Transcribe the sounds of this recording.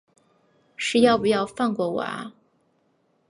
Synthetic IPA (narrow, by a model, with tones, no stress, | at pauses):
ʂɻ̩˥˧jɑ˥˩ʊpu˧jɑ˥˧ʊfa˥˧nkwɔ˥˩wa̰˨˥